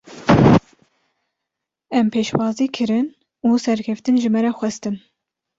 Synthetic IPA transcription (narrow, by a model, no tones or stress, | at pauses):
ɛmpʰeːʃwɑːziːkʰɨɾɨn | uːsɛɾkʲʰɛft̪ɨnʒɪmɛɾɛxʷɛst̪ɨn